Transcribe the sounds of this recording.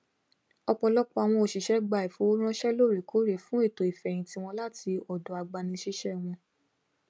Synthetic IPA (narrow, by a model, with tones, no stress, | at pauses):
ɔ˧k͡pɔ˧lɔ˦kɔ˧a˨w̃ɔ̃˧o˨ʃi˨ʃɛ˨˦ɡ͡ba˧˨i˨fo˨˦ɾ̃ã˦ʃɛ˦lo˦˨ɾe˨kʰo˨˦ɾe˨fũ˨˦e˦˨to˨i˨fɛ˨j̃ĩ˨˦ti˧˦w̃ɔ̃˧la˦ti˧ɔ˨dɔ˨˦a˧ɡ͡ba˧nĩ˧ʃi˦ʃɛ˦˨w̃ɔ̃˧